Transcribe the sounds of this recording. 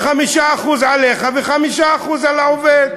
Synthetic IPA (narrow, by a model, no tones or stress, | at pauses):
χamiʃaːχuzʕaleχaveχamiʃaːχuzalaoved̪